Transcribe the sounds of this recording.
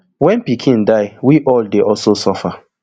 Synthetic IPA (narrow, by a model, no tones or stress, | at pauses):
wɛ̃npikʰĩndaɪwiʔɔldeʔɔlsosɔfa